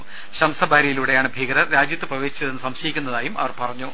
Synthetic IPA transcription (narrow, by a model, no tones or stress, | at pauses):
ɕɐmsɐbʱaːɾɐjiluːɽe̞jaːɳɨbʱiɡɐɾɐɾaːd͡ʑjɐt̪ːɨprɐʋe̞ːɕi̥t͡ɕːɐðenːɨsɐmɕɐjikʲːunːɐðaːjumɐ̰ʋɐrpɐrɐɲːu